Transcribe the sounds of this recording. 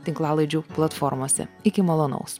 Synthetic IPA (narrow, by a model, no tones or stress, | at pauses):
t̪ʲɪŋklˠɑːlˠɐɪd͡ʒʲuːplˠɐt̪fɔɾmoɔsʲɛ̰ɪkʲɪmɐlˠoːnɐ̰ʊs